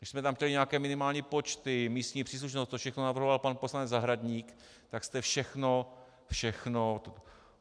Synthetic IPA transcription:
dɪʃsmɛt̪amxtcɛlɪɲɛakɛːmɪnɪmaːlɲiːpot͡ʃt̪ɪmiːst̪ɲiːpr̝̥iːs̬luʃ̬nost̪t̪ːofʃɛxnonavr̩ɦovalpanpo̞slanɛd͡zzaɦɾadɲiːk | t̪akst̪ɛfʃɛxno | fʃɛxnot̪

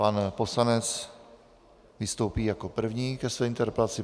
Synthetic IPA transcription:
panpo̞slanɛt͡s | vɪst̪owpiːjako̞pr̩vɲiːkɛsvɛːɪnt̪ɛɾpɛlat͡sɪ

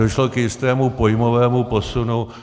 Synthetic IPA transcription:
oʃlokjɪst̪ɛːmupojmovɛːmupo̞sunu

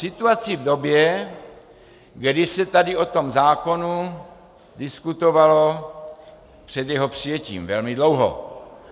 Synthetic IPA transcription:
sɪt̪uat͡sɪvdobjɛ | ɡdɪsɛt̪adɪot̪o̞mzaːko̞nu | dɪskut̪ovalo̞ | pr̥ɛd̪jɛɦopr̥ijɛcḭːmvɛlmɪdlowɦo̰

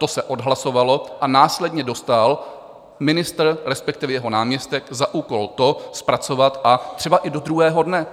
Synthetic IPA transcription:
t̪o̞sɛʔo̞dɦlaso̞valo̞ʔanaːslɛdɲɛdo̞st̪al | mɪnɪst̪r̩ɾɛspɛk̚t̪ɪvɛjɛɦo̞naːmɲɛst̪ɛkzaʔuːko̞lt̪o̞spɾat͡so̞vat̪ʔat̪r̥ɛbaʔɪdo̞d̪ɾuɦɛːɦo̞dnɛ

